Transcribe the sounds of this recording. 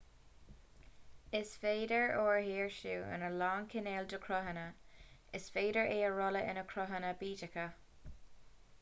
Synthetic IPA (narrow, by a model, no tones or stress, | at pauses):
ɪsfeːdəɹoːɹhiːɹʃuːə̰nəlɔːŋkʰɪneːldəkʰɹɔɦənəɪsfeːdəɹeːəɹɔləʔɪnəkʰɹɔɦənəbiːtɪkə